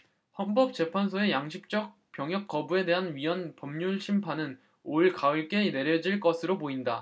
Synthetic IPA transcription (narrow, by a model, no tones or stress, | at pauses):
hʌnbʌp̚t͡ɕ͈e̞pʰans̬ʰoe̞jaŋɕʰip̚t͡ɕ͈ʌk̚ | p͈jʌŋjʌk͈ʌbue̞de̞ɦanɥiwʌnpʌmɲuɭɕʰimpʰanɯn | oɭkaɯɭk͈e̞ne̞ɾjʌd͡ʑiɭk͈ʌsʰɯɾopoinda